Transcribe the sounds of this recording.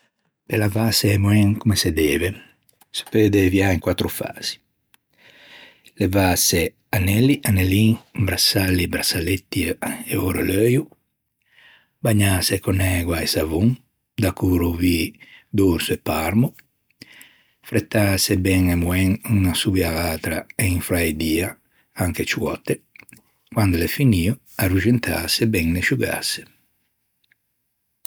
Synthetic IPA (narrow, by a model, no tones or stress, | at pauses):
pelavasemwɛŋkumesed̪ɛːve | sḁpød̪evjaiŋkwat̪ːɾufa̰z̥i̥ | levase | anɛliʔaneliŋbɾasalibɾasalet̪ːieɔɾaløju | baɲasekɔnɛɡwaesavuŋ | d̪akuɾovid̪oɾsoɛpːaɾmu | fɾɛt̪ːaːsebɛŋɛmwɛŋunasubjalaːt̪ɾaeiɱfɾajd̪iːa | aŋket͡ʃuwɔ̰t̪e | kwand̪olefiniːo | arud͡ʒent̪ʰa̰ːsebɛŋneʃuɡa̰se̥